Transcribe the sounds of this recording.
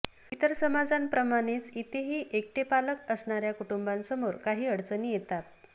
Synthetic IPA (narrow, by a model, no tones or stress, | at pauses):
it̪əɾsəmad͡zanpɾəmaɽ̃et͡sit̪eɦiːʔek̚ʈepaləkəsɳaɾjakuʈumbansəmoɾkaɦiːəɽt͡səniːjet̪at̪